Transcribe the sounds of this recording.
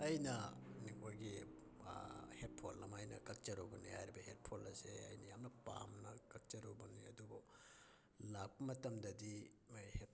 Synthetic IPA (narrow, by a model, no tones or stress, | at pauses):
ɐjnɐnikʰojɡi | het̚pʰolɐmajnɐ̰kɐk̚t͡ʃɐɾowbɐnihajɾibɐhet̚pʰolɐseɐ̰jnɐjamnɐpa̰mnɐkɐk̚t͡ʃɐɾowbɐniɐ̰duɡo | lak̚pɐmɐtɐmdɐdi | jhe